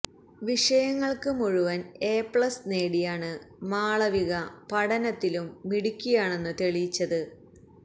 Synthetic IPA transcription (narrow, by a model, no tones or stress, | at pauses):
ʋiʂɐjɐŋːɐɭkɨmuɻuʋɐne̞ːpːɭɐsne̞ːɽijaːɳɨmaːɭɐʋiɣɐpɐɽɐnɐt̪ːilumːiɽikʲːujaːɳe̞nːɨt̪e̞ɭijit͡ɕːɐðɨ